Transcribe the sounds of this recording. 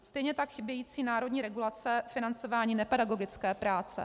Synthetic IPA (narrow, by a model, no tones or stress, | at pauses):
st̪ɛjɲɛt̪akxɪbjɛjiːt͡siːnaːɾo̞dɲiːɾɛɡulat͡sɛfɪnant͡so̞vaːɲiːnɛpɛdaɡo̞ɡɪt͡skɛːpɾaːt͡sɛ̰